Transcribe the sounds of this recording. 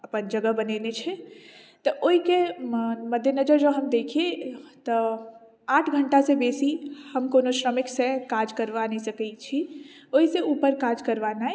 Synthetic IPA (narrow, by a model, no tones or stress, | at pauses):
əpənd͡ʒəɡəbənenet͡ʃʰɛ | t̪ɔʔoɦikeməd̪ʱjənəd͡ʒəɾd͡ʒəɦəmd̪eːkʰiet̪ə | aːʈʰɡʱəɳʈasebeːsihəmkoːnoʃɾəmɪksekaːd͡ʒkəɾʋansəkət͡ʃʰioɦiseuːpəɾkaːd͡ʒkəɾʋana